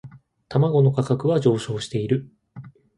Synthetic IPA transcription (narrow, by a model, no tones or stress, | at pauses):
t̪amaɡo̞no̞kakakɯ̟βaʑo̞ːɕo̞ːɕi̥t̪e̞iɾɯ̟